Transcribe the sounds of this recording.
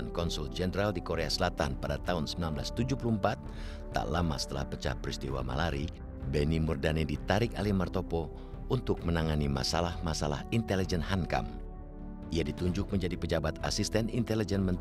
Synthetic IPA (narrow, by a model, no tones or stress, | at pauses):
nkɔnsuld͡ʒɛndɾaldikoɾeasəlat̪anpadat̪aɦunsəmbilanblast̪ud͡ʒuhpuluəmpat̪̚ː | a̰ʔlama̰sə̥t̪əla̰hpət͡ʃa̰hpɾist̪iwa̰ma̰laɾi | bɛnimurdanidit̪aɾɪkalimart̪opɔ | unt̪ʊk̚mənaŋanima̰salahmasala̰hint̪ɛlid͡ʒɛnhanka̰m | iadit̪uɲd͡ʒʊk̚məɲd͡ʒadipəd͡ʒabat̪asist̪ɛnint̪ɛlid͡ʒɛnmənt̪